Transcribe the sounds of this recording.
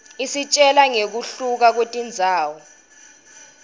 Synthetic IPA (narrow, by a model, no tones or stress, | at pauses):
isit͡ʃʼɛlaŋek̬uɬuk̬ak̬etʼind͡zʱaːwɔ